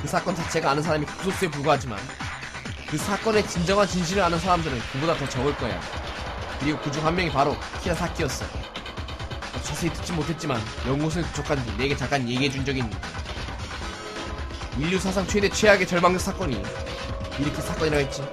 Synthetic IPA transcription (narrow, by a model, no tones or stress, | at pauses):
kɯsʰak͈ʌnt͡ɕat͡ɕʰe̞ɡaːnɯns̬ʰaɾamikusʰos͈ep̬uɭɡaɦad͡ʑima̰n | kɯsʰak͈ʌne̞t͡ɕind͡ʑʌŋant͡ɕinɕ̬ʰinɾɯɭɾanɯnsʰaɾamdɯɾɯnkɯbodatʌt͡ɕʌɡɯɭk͈ʌeja̰ | kɯɾiɡokud͡ʑuŋɦamːjʌŋipaɾokʰidasʰak͈ʰiʌs͈ʌ̰ | ʌt͡ɕʰʌsʰeitɯ̥t̚t͡ɕ͈imotʰe̞t̚t͡ɕ͈imanjʌŋɡos̬ʰɯnput͡ɕʰʌkʰand͡ʑineɡe̞t͡ɕak͈anje̞ɡiɦed͡ʑund͡ʑʌɡiɲ | iʎːusʰas̬ʰaŋt͡ɕʰwe̞de̞t͡ɕʰwe̞ɦaɡe̞t͡ɕʌɭmaŋd͡ʑɯk̚sʰak͈ʌɲi | iɾʌkʰe̞sʰak͈ʌɲiɾaɡaɦet̚t͡ɕ͈i